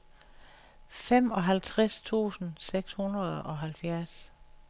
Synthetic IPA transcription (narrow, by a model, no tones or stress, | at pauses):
fem̰ɒ̽ɦælt͡sʰʁast͡sʰṵːsn̩seɡ̥shunʁɐð̞ˠɒ̽ɦælfjæɐs